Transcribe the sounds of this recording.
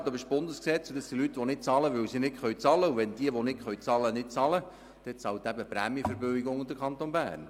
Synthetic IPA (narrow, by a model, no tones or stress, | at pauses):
d̥̪ɑbɪʃb̥ʊnd̪əsksɛt͡sud̥̪əsilyt̪ːʋɔnɪt̚t͡sɑləʋɵwsinɪkχœjt͡sɑləuʋɛnd̥̪iəʋɔnɪkχœʏt͡sɑlənɪt̚t͡sɑlə | d̥ɛt͡sɑwt̪æbəpɾæ̰mjəfəɾbøɪɡʊŋd̪əkʰɑnt̪onbæ̰ːrn